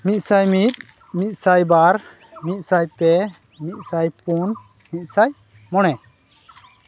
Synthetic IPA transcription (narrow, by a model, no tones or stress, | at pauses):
mit̪̚ˀsajmit̪̚ | mit̪̚ˀsajbaɾ | mit̪̚ˀsajpɛ | mit̪̚ˀsajpun | mit̪̚saj | mɔɽ̃ɛ